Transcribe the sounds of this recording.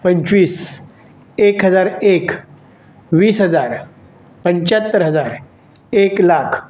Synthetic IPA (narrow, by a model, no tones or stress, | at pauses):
pəɲt͡ɕʋiːs | ekɦəd͡zaɾek | ʋiːsɦəd͡zaɾ | pəɲt͡ɕat̪ːəɾɦəd͡zaɾ | eklakʰ